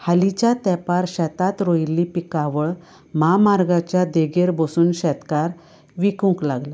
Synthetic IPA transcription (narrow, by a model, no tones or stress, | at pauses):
halit͡ɕjat̪ɛpaɾɕɛt̪at̪ɾojlːipikaʋəɭ | mamaɾɡat͡ɕjad̪eɡeɾbosuːnɕɛt̪kaɾ | ʋikũŋklaɡla